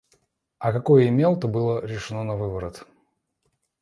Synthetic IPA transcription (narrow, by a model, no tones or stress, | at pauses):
ɐkɐkojəɪmʲelˠt̪əbɨlˠəɾʲɪʂɨnonɐvɨbəɾət̪